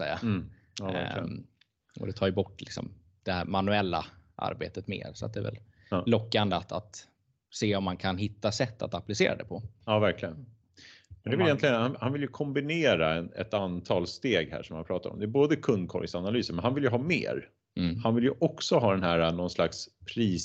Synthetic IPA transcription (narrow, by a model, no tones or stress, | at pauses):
sɛ̰jːa̰ | ɔ̰d̪ɛt̪ʰɑːɾjɵbɔʈːlɪksɔ̰m | d̪̥ɛhæɾmanɵɛlːa̰ʔa̰ɾbeːt̪ət̪mḛːɾsɔat̪̚d̪ɛvɛ̰l | lːɔkːand̪əat̪at̪ | seːɔmːankʰanɦɪt̪ːasɛt̪ːa̰t̪aplɪsḛːɾa̰d̪ɛpʰɔɑːvæɾklɪɡən | mɛnɛɪljɛnt̪lɪɡənhanhanvɪljɵkʰɔmbɪneːɾaɛnɛ̰t̪ant̪ʰɑːlst̪eːɡhæ̰ːʂɔmːanpʰɾɑːt̪aɾɔ̰md̪ɛːboːd̪əkʰɵnd̪̚kʰɔ̰ɾjsanalyːsəɾmɛnhanvɪljəɦɑːmḛːɾ | hanvɪljəʔɔksɔɦɑːd̪ɛnɦæːɾanɔnslakspʰɾiːs